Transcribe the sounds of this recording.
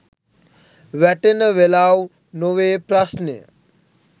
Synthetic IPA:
ʋɛʈənʋelaw | noʋepɾasne

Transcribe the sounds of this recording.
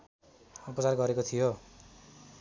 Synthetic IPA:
upʌt͡sarɡʌɾekot̪ʰijo

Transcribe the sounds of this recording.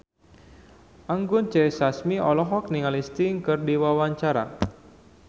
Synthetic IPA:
aŋɡʊnt͡ʃɛsasmiɔlɔɦɔk̚niŋalist̪iŋkɨrdiwawaɲt͡ʃaɾa̰

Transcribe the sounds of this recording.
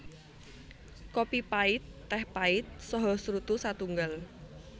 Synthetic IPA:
kopipaɪt̪ːɛhpaɪt̪̚sɔɦɔsɾut̪usat̪uŋɡal

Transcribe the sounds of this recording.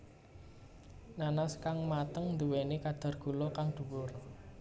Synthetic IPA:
nanaskaŋmat̪əŋnd̪uwenekad̪̥a̤rɡ̥ṳlɔkaŋd̪̥ṳwʊr

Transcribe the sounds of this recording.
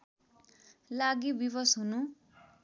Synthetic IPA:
laɡibibʌsɦunu

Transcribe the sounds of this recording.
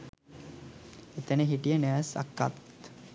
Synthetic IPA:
et̪əneɦiʈijənɛʋəsa̰kːa̰t̪

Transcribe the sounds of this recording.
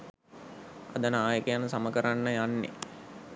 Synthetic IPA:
a̰d̪ənaːjəkəjanəsaməkəɾanːəjanːḛ

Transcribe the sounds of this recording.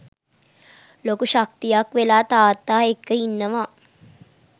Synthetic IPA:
loːkuʃakt̪ijakʋelaːt̪aːt̪ːaːekːəinːəʋaː

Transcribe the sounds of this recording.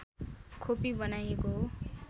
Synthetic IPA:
kʰopibʌnajeko

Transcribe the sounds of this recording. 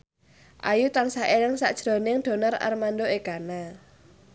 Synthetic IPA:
ʔajut̪aŋsaʔelɪŋsa̰ʔd̥ʒ̥ɾonɪŋd̪̥o̤nara̰rmandoeɡ̥ana

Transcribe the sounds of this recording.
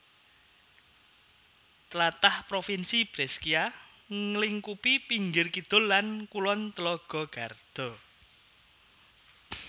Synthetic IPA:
t̪əlat̪ahpɾofinsib̥ɾɛskia | ŋəliŋkupipiŋɡɪrkid̪̥ʊ̤lːankulɔnt̪əlɔɡ̥ɔ̤ɡ̥a̤rd̪̥ɔ̤

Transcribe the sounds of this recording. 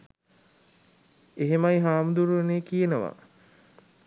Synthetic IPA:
eɦemajɦaːmud̪uɾuʋeneːkijenəʋa̰

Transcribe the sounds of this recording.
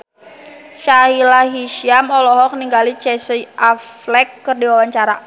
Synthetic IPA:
ʃaɦilaɦiʃiamɔlɔɦɔk̚niŋɡalit͡ʃɛsiaflɛkːərdiwawaɲt͡ʃaɾa̰

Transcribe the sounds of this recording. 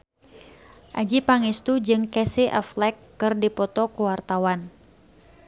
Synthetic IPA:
ʔad͡ʒipaŋist̪ud͡ʒɨŋkɛsiʔa̰flɛkːɨrdipɔt̪ɔkuwart̪awan

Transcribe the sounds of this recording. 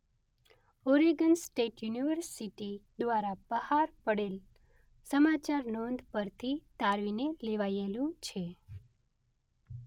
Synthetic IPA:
oɾiɡənsʈeʈjuniʋəɾsiʈid̪ʋaɾab̥əhaɾpəɽel | səmat͡ʃaɾnɔnd̪ʱpəɾt̪ʰit̪aɾʋineleʋajelũt͡ʃʰe

